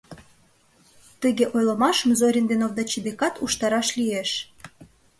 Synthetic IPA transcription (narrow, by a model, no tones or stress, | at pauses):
t̪əɣeʔojləmɑʃəmzoɾʲind̪enovd̪ɑt͡ɕibekɑt̪uʃt̪ɑɾɑʃlieʃ